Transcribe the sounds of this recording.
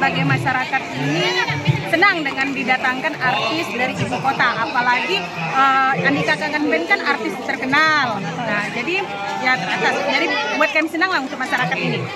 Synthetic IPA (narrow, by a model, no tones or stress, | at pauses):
baɡajmaʃaɾakat̪̚inisənaŋdəŋandidat̪aŋkanart̪ɪsdaɾiʔibukot̪aʔːpalaɡi | əjaŋdikakaŋanbɛnkanart̪ɪst̪ərkənal | ad͡ʒadi | jat̪əɾat̪asd͡ʒadibuat̪̚kamisənaŋlahunt̪ʊk̚maʃaɾakat̪ini